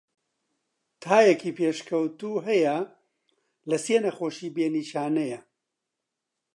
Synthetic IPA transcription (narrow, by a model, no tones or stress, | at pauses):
t̪ʰaːjɛkiːpʰeːʃkʰɐwt̪uːɦɛjɐ | lɐseːnɐxoːʃiːbeːniːʃaːnɐjɐ